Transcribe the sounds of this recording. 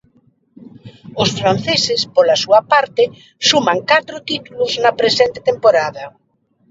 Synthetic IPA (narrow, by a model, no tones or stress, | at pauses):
ʊsfɾan̟θesɪspolasuɐpaɾt̪ɪ | sumaŋkat̪ɾʊt̪it̪ulʊznɐpɾesɛnt̪e̥t̪empoɾaðɐ